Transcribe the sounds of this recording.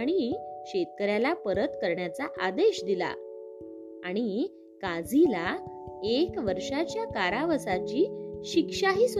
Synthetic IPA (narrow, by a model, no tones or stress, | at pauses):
ɽ̃iɕet̪̚kəɾjalapəɾət̪kəɾɳjat͡saʔad̪eɕd̪ila̰ | aɽ̃i | kad͡zila | ekʋəɾʂat͡ɕjakaɾaʋəsat͡ɕiːɕikʂaɦiːs